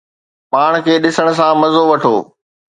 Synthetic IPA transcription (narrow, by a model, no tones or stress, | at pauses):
paːɽ̃kʰeːɗɪsəɽ̃s̬ãmɐzoʋɐʈʰo̰ː